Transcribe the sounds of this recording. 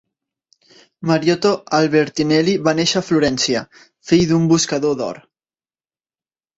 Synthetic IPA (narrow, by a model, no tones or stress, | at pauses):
maɾjot̪oalβeɾt̪inɛliβaneʃafluɾɛnsia | fijðumbuskaðoðɔ̰ɾ